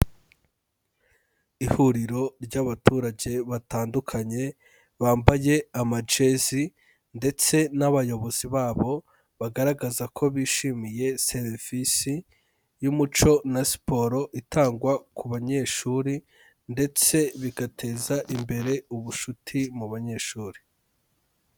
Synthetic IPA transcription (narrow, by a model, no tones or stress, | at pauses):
ihuɾiɾo̞ɾɟaβatʰuːɾaɟe̞βataːndukʰaɲe̞ | βaːmbaje̞amad͡ʒe̞zi | nde̞t͡se̞naβajo̞βo̞z̥iβaːβo̞ | βaɡaɾaɡazakʰo̞βiːʃimije̞seɾv̥isi | jumut͡ʃo̞nasi̥po̞ɾo̞ʔitʰaːŋɡwakuβaɲe̞ʃuɾi | nde̞t͡se̞βiɡatʰe̞ːzaʔimbe̞ɾe̞uβuʃutʰimuβaɲe̞ʃuːɾi